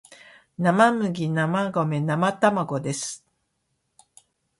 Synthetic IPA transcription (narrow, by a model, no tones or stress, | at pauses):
namamɯ̟ɡʲinamaɡo̞me̞namat̪amaɡo̞d̪e̞sɨ̥